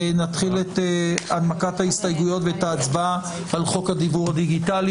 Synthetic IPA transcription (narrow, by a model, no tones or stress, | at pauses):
nat̪χileteadmakathaistajɡujo̞tvetaːt͡sba | alχo̞khad̪ibuʁhadiɡitali